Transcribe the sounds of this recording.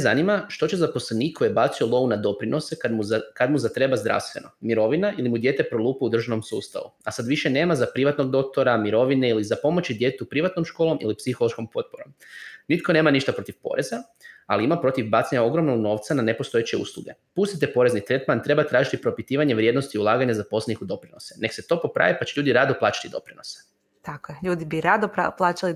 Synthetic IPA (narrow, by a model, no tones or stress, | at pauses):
zanimaʃt̪o̞t͡ɕe̞zapo̞sleniːkʰːo̞jebat̪siolˠo̞unad̪o̞pɾinʔo̞seamukad̪muzat̪ɾe̞bazd̪ɾa̰ʋst̪ʋe̞̰no̞miɾo̞ʋinaʔilimud̪je̞ːt̪e̞pɾo̞lˠuːpɛud̪r̩ʒano̞msuːst̪a̰ʋṵasad̪ʋiʃene̞ːmazapɾiʋat̪no̞ɡd̪o̞k̚t̪oɾamiɾo̞ʋineilizapo̞mo̞t͡ɕid̪jet̪upɾiʋat̪no̞mʃko̞ːlo̞mḭlipsixo̞lˠo̞ʃko̞mpo̞t̪̚poɾo̞̰mnit̪ko̞ne̞ːmaniʃt̪apɾot̪ifpo̞̰ɾe̞za | aliimapɾo̞t̪iʋbat̪seɲao̞ɡɾo̞mnoɡno̞ːʋt̪sanane̞po̞st̪oet͡ɕe̞ṵslˠṵɡe̞ | pust̪it̪̬e̞po̞ɾe̞znit̪ɾe̞t̪mant̪ɾe̞bat̪ɾaːʒit̪ipɾo̞pit̪iːʋaɲeʋɾje̞d̪nost̪iulˠaːɡaɲazapo̞slenikud̪o̞pɾino̞sene̞kse̞t̪o̞po̞pɾa̰ːʋipat͡ɕeʎuːd̪iɾad̪oplˠaːt͡ʃḁt̪id̪o̞̰pɾino̞se̥ | t̪akoeʎuːd̪ibiɾad̪opa̰plˠaːt͡ʃali